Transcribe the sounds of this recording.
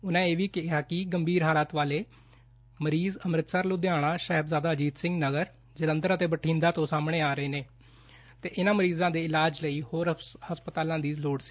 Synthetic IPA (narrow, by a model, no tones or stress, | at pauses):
ʊnãːeːʋiːkɪɦɪjaːkɪɡəmbʱiːɾɦaːlaːt̪ʋaːleː | məɾiːzəmɾɪt̪səːɾloːd̪ɪjaːɽ̃ãːʃəɦbzaːd̪aːd͡ʒiːt̪sɪ̃ŋɡnəɡəɾ | d͡ʒələ̃nd̪əɾət̪eːbəʈʰĩːnd̪aːt̪õːsaːmɽ̃eːaːɾəeːneː | t̪ḛːʔɪnãːməɾiːzãːd̪eːɪlaːd͡ʒləiːhoːɾhəspət̪aːlãːd̪iːsloːɽsi̥ː